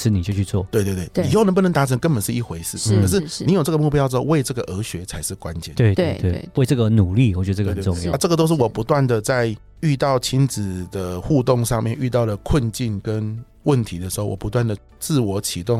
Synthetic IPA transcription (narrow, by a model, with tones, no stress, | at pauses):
ʂɻ̩˥˧˨ni˨˩t͡ɕjo˥˧ʊt͡ɕʰy˥˧t͡swɔ˥˩t̪we˥˧ɪt̪we˥˧twe˥˩˧i˨˧ho˥˩nə˧˥p̬u˥˩nə˧˥ŋt̪a˧˥ʈ͡ʂʰə˧˥ŋkə˦˥npə˨˩nʂɻ̩˥˧i˥˩xwe˧˥ɪsɹ̩ʰ˥˩ə˨˩ʂɻ̩˥˩i˧˥jo˨˩ʈ͡ʂə˥˩ɡə˦mu˥˩p̬jʂ̩˥xo˥˧we˥˧ɪʈ͡ʂɤ˥˩ɡə˩ʔə˧˥ɕɥɛ˧˥t͡sʰa˧˥ɪʂɻ̩˥˩kwa˦nt͡ɕjɛ̰˨˩nwe˥˧ɪt̪e˥we˥˧˩we˥˧ɪʈ͡ʂə˥˩ɡə˨˩nu˨˩li˥˨wɔ˨˩t͡ɕɥɛ˧d̪ʊ˥˧˥jʈ͡ʂə˥˩ɡə˩t̪o˥ʊʂɻ̩˥˩wɔ˨˩pu˧˥t̪wa˥˩nd̪ə˩t͡sa˥˧ɪ | y˥˧t̪ɑ˥˩ʊt͡ɕʰi˦˥nt͡sɹ̩˨˩d̪ə˩xu˥˧t̪ʊ˥˧ŋʂɑ˥˧ŋmjɛ˥˨˧ny˥˧t̪̬ɑ˥˩ʊlə˩kʰwə˥˧nt͡ɕi˥˩nkə˦˥n | wə˥˩nt̪ʰi˧˥d̪ə˨ʂɻ̩˧˥xo˥˩ʊwɔ̰˨˩pu˧˦t̪wa˥˩nd̪ə˩ | t͡sɹ̩˥˩wɔ˧˥t͡ɕʰi˧˥t̪ʊ˥˨ŋ